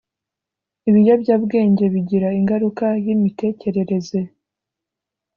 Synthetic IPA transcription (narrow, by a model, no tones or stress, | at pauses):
iβijobɟaːbɡe̞ːɲɟe̞βiɟiɾaiŋɡaɾukajimite̞ːce̞ɾe̞ɾe̞ze̞